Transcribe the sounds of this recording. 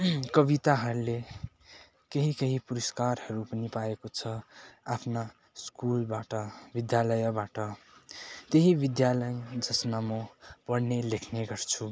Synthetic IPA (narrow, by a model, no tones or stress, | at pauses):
kʌβit̪aɦʌɾule | keɦikeɦipuɾʌskarhʌɾupʌnipaekot͡sʰʌapʰna | skulbaʈʌbid̪jalʌjʌbaʈʌ | t̪eɦibid̪jalʌjd͡zʌsnamopʌɽnelekʰneɡʌrt͡sʰu